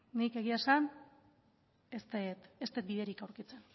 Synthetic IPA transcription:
nike̞ɣ̞iasan | est̪et̪est̪et̪̚biðe̞ɾikawɾkit͡se̞n

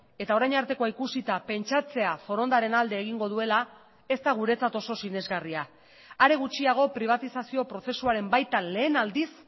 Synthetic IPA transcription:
e̞t̪ao̞ɾajɲaɾt̪e̞ko̞aikusit̪ape̞nt͡ʃat͡se̞afo̞ɾo̞nd̪aɾe̞nald̪e̞ːɣ̞iŋɡo̞ð̞ue̞la | e̞st̪aɣ̞uɾe̞t͡sat̪o̞so̞sine̞zɣaria | aɾe̞ɣ̞ut͡ʃiaɣ̞o̞pɾiβ̞at̪isasio̞pɾo̞se̞suaɾe̞mbajt̪anle̞ːnald̪is

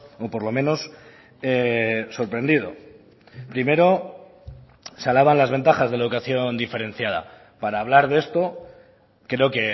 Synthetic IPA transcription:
opo̞ɾlo̞mẽ̞no̞s | eso̞ɾpɾe̞nd̪ið̞o̞̰ | pɾime̞ɾo̞ | salaβanlazβe̞nt̪axazðe̞laeðukaθjo̞nd̪ife̞ɾe̞nθjað̞a̰ | paɾaːβ̞laɾðest̪o̞ | kɾe̞o̞ke̞

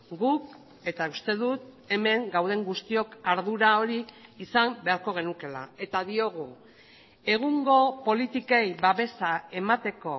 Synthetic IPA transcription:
ɡuk | e̞t̪aust̪e̞ðut̪ | e̞me̞ŋɡawð̞e̞ŋɡust̪io̞kaɾðuɾao̞ɾiːsambe̞aɾko̞ɣ̞e̞nuke̞la̰e̞t̪aðio̞ɣ̞u | e̞ɣ̞uŋɡo̞po̞lit̪ikejβaβe̞sae̞mat̪e̞ko̞

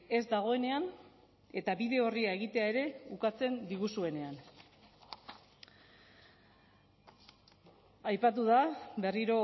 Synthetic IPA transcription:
e̞zd̪aɣ̞o̞e̞ne̞an | e̞t̪aβiðe̞o̞riae̞ɣ̞it̪e̞ae̞ɾe̞ukat͡se̞nd̪iɣusue̞ne̞an | ajpat̪̬uðabe̞riɾo̞

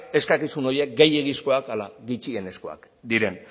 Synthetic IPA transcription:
e̞skakisuno̞je̞k̚ɡejeɣisko̞akalaɣit͡ʃie̞ne̞sko̞a̰k | d̪iɾe̞n

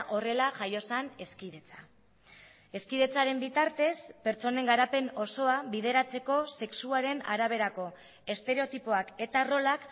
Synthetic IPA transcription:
ʔo̞re̞laʝajo̞sane̞skiðe̞t͡sa | e̞skiðe̞t͡saɾe̞mbit̪aɾt̪e̞spe̞ɾt͡so̞ne̞ŋɡaɾape̞no̞so̞aβiðe̞ɾat͡se̞ko̞se̞ksuaɾe̞na̰ɾaβ̞e̞ɾako̞ | e̞st̪e̞ɾe̞o̞t̪ipoake̞t̪aro̞lak

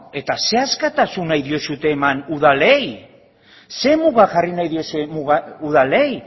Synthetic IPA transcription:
e̞t̪ase̞askat̪asunajðio̞sut̪e̞ːmanuðalej | se̞muɣaʝarinajðio̞semuɣauð̞ale̞j

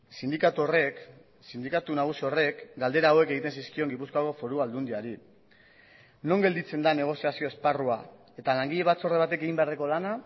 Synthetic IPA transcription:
sind̪ikat̪orek | sind̪ikat̪unaɣ̞usiore̞kɡald̪eɾaːwe̞ke̞ɣ̞it̪e̞nsiskio̞ŋɡipuskoako̞fo̞ɾuald̪und̪iaɾi | no̞ŋɡe̞ld̪it͡se̞nd̪ane̞ɣ̞o̞siasio̞e̞sparua | e̞t̪alaŋɡiʎe̞βat͡so̞reβ̞at̪e̞ke̞ɣimbeareko̞lana

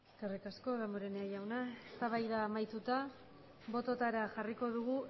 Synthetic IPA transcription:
ekerikasko̞ðamoɾeneajawnaest̪aβajðaːmajt̪ut̪a | βo̞t̪o̞t̪aɾaʝariko̞ðuɣ̞u

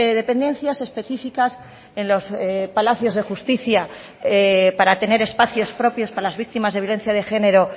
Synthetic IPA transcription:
ðepe̞nd̪e̞n̟θjase̞spe̞θifikas | e̞nlo̞spalaθjo̞zðe̞xust̪iθja | epaɾat̪e̞ne̞ɾe̞spaθjo̞spɾo̞pjo̞spaɾalazβik̚t̪imazðe̞βjole̞n̟θjað̞e̞xe̞ne̞ɾo̞

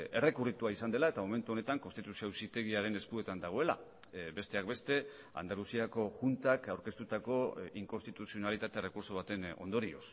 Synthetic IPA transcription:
e̞re̞kurit̪uaisand̪e̞lae̞t̪amo̞me̞nt̪uo̞ne̞t̪aŋko̞nst̪it̪usiowsit̪e̞ɣiaɾe̞ne̞skue̞t̪and̪aɣ̞o̞e̞la̰ | be̞st̪e̞akbe̞st̪e̞ | a̰nd̪alusiako̞ʝunt̪akawɾke̞st̪ut̪ako̞iŋkonst̪it̪usio̞nalit̪at̪e̞re̞kuɾso̞β̞at̪e̞no̞̰nd̪o̞ɾio̞̰s

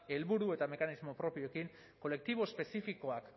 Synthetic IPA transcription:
e̞lβuɾue̞t̪ame̞kanizmo̞pɾo̞pio̞ekiŋ | ko̞le̞k̚t̪iβo̞espe̞sifiko̞ak

